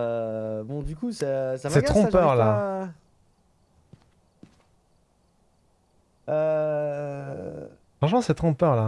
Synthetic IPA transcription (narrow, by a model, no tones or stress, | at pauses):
bɔ̃d̪ykusɛsasɛɡt̪χɔ̃pœʁla | ø | ɑ̃ʃmɑ̃sɛt̪χɔ̃pœʁla